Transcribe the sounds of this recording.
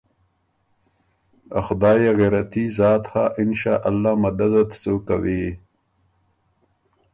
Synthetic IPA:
a̰xʊd̪ɑːjeɣeɾat̪izɑːt̪haʔɪnʃaːʔalːaːmad̪ad̪at̪sokawi

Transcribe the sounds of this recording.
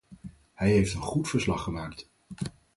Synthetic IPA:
hɛjɦejftənχutfəɹslɑχəmaːkt

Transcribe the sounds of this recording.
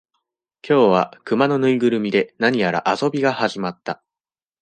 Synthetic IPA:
kʲo̞ːβakɯmano̞nɯ̟iɡɯ̟ɾɯ̟mʲid̪e̞naɲ̟ijaɾa̰ʔaso̞bʲiɡahaʑimat̪ːa

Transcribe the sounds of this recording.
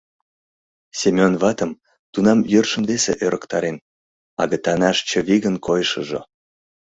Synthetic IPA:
sʲemʲonβɑt̪əm | t̪unɑmjørʃə̆mvesḛʔøɾʔəkt̪ɑɾen | ɑ̰ɣə̆t̪ɑnɑʃt͡ɕə̆βiɣənkʰojʃəʒo̰

